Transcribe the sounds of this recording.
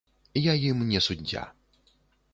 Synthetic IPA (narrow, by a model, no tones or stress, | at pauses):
jajimnʲɛsudʲːa̰